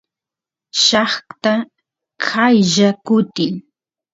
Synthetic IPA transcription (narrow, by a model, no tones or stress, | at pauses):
ʃɑχkt̪a | kʰajʒakʊt̪ɪŋ